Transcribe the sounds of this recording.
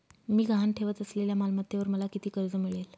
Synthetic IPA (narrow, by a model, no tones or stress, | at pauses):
miːɡʱaɦanʈʰeʋət̪əsleljamalmət̪ːeʋəɾməlakit̪iːkəɾd͡zəmiɭel